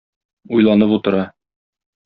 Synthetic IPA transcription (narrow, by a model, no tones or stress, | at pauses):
ujlˠɑnɤput̪ɤ̆ɾɑ